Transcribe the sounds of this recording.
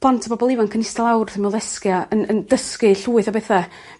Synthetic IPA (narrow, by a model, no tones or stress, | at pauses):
pʰlˠantʰbɔbɔlˠivankʰənɪstalˠawrθɪmɛlˠðɛskjaənənd̥əskɨɬuːɨθabɛθa